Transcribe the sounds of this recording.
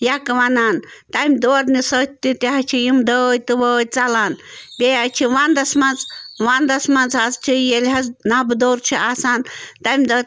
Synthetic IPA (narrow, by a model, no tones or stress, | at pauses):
jakʋanaːn | t̪amʲd̪oːɾnisət̪ʰt̪it̪aɦat͡ʃʰijimd̪əːjt̪ɨʋəːjt͡salaːnbʲejat͡ʃʰiʋand̪ɐsmɐnd͡zʋand̪ɐsmɐnd͡zɦazt͡ʃʰijelʲɦɐznabd̪oːɾt͡ʃʰiaːsaːnt̪amʲd̪ɐ